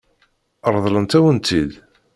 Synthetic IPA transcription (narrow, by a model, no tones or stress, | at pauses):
ɾˤðˤlənt̪æwənt̪id̪